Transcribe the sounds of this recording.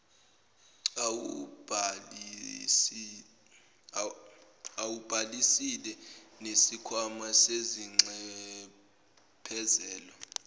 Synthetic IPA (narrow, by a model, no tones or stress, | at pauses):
awub̥ʱalisilɛnesikʰwamaseziŋ͡ǁɛ | pʰɛzɛːlɔ